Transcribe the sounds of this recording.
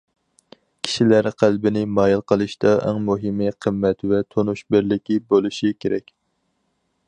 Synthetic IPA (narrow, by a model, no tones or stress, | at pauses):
kʲʰi̥ʃilæɾqʰælbɪnɪmɑːjilˠqʰəlˠɨʃd̪ɑʔɛ̰ŋmuɦɪmɨqʰəmːɛt̪vɛt̪ʰonuʃbɪɾlɪkʲibolˠuʃikʲʰeɾɛkʲ